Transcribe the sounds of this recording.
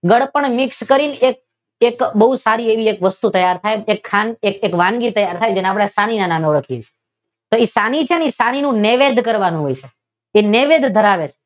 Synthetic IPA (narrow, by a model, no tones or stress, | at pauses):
ɡəɽpəɳmɪkskəɾinek̚ | ekbəɦusaɾieʋiekʋəst̪ut̪əjaɾt̪ʰajekʰːanekekʋãŋɡit̪əjaɾt̪ʰajd͡ʒeneapɽ̃esaninananɔɽəkʰiet͡ʃʰe̥ | t̪oesanit͡ʃʰenisañinũneʋed̪ʱkəɾʋanũɦojt͡ʃʰe | eneʋed̪ʱd̪ʱəɾaʋet͡ʃʰe̥